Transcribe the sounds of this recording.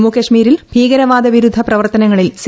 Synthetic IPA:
mukɐʂmiːɾilbʱiːɡɐɾɐʋaːd̪ɐʋiɾud̪ʱːɐprɐʋɐrt̪ɐnɐŋːɐɭils

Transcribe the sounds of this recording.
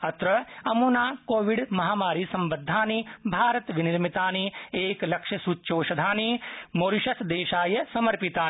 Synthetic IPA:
ɐt̪ɾɐɐmuːnaːkoːʋiɽmɐɦaːmaːɾiːsɐ̃mbɐd̪ʱːaːnibʱaːɾɐt̪ʋiniɾmit̪aːnieːklɐkʃɐsuːtːʃoːʃɐd̪ʱaːnimoːɾiʃɐsd̪eːʃaːjɐsɐmɐɾpit̪aː

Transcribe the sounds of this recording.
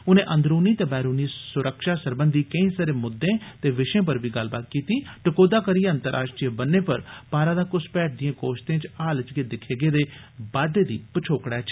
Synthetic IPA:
ʊnẽːʔə̃nd̪ɾuːniːt̪eːbɛːɾuːniːsʊɾəkʃaːsəɾbənd̪iːkəĩsəɾeːmʊd̪ːẽːt̪eːʋɪʃẽːp̬əɾbiːɡəlbaːt̪kiːt̪iːʈəkoːd̪aːkəɾieə̃nt̪əɾʔa̰ːʃʈɾiːəbənːeːpəɾpaːɾãːd̪aːkʊspɛːʈ̚d̪ɪjẽːkoːʃt̪ẽːt͡ʃaːlət͡ʃɡeːd̪ɪkʰeːɡeːd̪eː | baːd̪eːd̪iːpət͡ʃʰoːkɽɛːt͡ʃ

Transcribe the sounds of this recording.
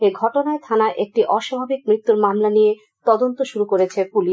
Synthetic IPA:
eɡʱɔʈonaet̪ʰanaʔek̚ʈiʔɔʃabʱabik̚mɾit̪ːuɾmamlanije | t̪ɔd̪ont̪oʃuɾukoɾet͡ɕʰepuliʃ

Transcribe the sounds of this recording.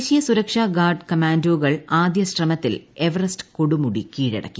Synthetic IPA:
ɕijɐsuɾɐkʂaːɡaːrɖkɐmaːndoːɣɐɭaːd̪jɐɕrɐmɐt̪ːileʋɐrɐstɨ̥koɽumuɽikiːɻɐ̰ɽɐ̰kːi

